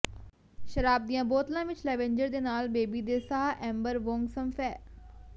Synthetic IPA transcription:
ʃəɾaːb̚d̪ijãːboːt̪lãːʋɪt͡ʃlɛːʋẽɲd͡ʒəɾd̪eːnaːlbeːbiːd̪eːsaːʔɛ̃ːmbəɾʋõːŋɡsəmfʰɛː

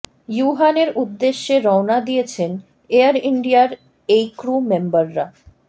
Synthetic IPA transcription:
juɦaneɾud̪ːeʃːeɾɔwnad̪ijet͡ɕʰen | eaɾiɳɖiaɾ | ejkɾumembaɾːa

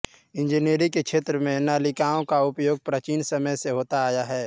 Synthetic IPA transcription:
ɪ̃nd͡ʒineːɾikekʃʰeːt̪ɾəmẽnaːlɪkaːõkaʊpjoːɡ̚pɾət͡ʃiːnsɐməjseɦoːt̪aaːjaɦɛː

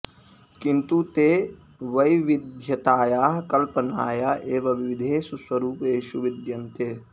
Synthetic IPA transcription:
kint̪ut̪eː | ʋɐjʋid̪ʱjɐt̪aːjaːɦkɐlpɐnaːjaːʔeːʋɐʋiʋid̪ʱeːsuswɐɾuːpeːʃuʋid̪jɐnt̪eː

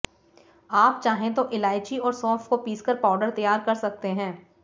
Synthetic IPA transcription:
aːp̚t͡ʃaːɦẽt̪̬oʔɪlaːɪt͡ʃiɔːɾsɔ̃ːfkopiːskɐɾpaːʊɖəɾt̪ɐjaːɾkɐɾsɐk̚t̪eɦɛ̃ː

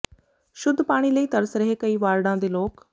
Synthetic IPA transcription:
ʃʊd̪ʱːpaːɽ̃iːləiːt̪ɐɾəsɾɐɦekɐiːʋaːɾɽãd̪eːloːk

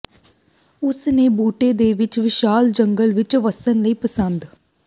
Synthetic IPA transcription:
ʊsneːbuːʈeːd̪eːʋɪt͡ʃʋɪʃaːld͡ʒəŋɡəlʋɪt͡ʃʋəsənləiːpəsə̃nd̪

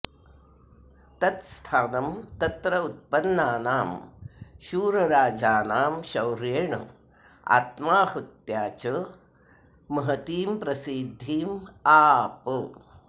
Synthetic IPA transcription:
t̪ɐt̪st̪ʰaːnɐmt̪ɐt̪ɾɐut̪̚pɐnːaːnaːmʃuːɾɐɾaːd͡ʒaːnaːmʃɐwɾeɳɐ̰ | a̰ːt̪maːhut̪jaːt͡ʃɐ | mɐɦɐt̪iːmpɾɐsid̪ʱːiːmaːpə

